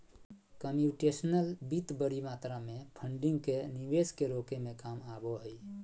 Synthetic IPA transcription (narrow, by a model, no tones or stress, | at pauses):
kəmjuʈesnəlbit̪bəɾimaːt̪ɾamẽpʰəɳɖiŋɡkeniʋeskeɾokemẽkamabɔɦəi